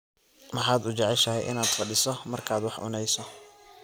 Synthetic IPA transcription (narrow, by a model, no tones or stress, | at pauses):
mɐħɑːd̪ʊt͡ʃɛʕɛʃɐɦɛjʔɪ̰naːd̪fɐɖɪsɔmɐrkʰaːd̪wɑħʕʊ̰nɛjsɔ